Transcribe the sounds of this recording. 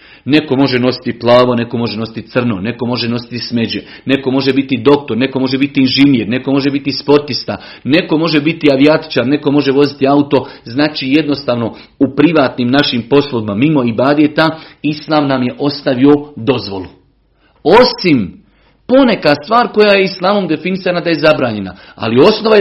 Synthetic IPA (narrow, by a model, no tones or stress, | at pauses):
ne̞ko̞mo̞ʒe̞no̞si̥t̪iplˠaːʋo̞ne̞ko̞mo̞ʒe̞no̞si̥t̪it̪sr̩no̞ne̞ko̞mo̞ʒe̞no̞si̥t̪isme̞d͡ʑe | ne̞ko̞mo̞ʒe̞bit̪id̪o̞k̚t̪o̞ɾne̞ko̞mo̞ʒe̞bit̪iinʒinjeːɾne̞ko̞mo̞ʒebit̪ispo̞ɾt̪ist̪a | ne̞ko̞mo̞ʒe̞bit̪iaʋiat̪i̥t͡ʃaːɾne̞ko̞mo̞ʒeʋo̞zit̪iaut̪o̞znaːt͡ʃije̞d̪no̞st̪aːʋno̞ | upɾiʋaːt̪nimnaʃimpo̞slˠoʋimamimo̞ibaːd̪et̪aislˠaːmnamje̞ʔo̞st̪aʋio̞d̪o̞zʋo̞̰lu | o̞sim | po̞ne̞kast̪ʋaːɾko̞jaje̞islˠaːmomd̪e̞finisanad̪aje̞zabɾaːɲe̞na̰ | a̰lio̞sno̞ʋa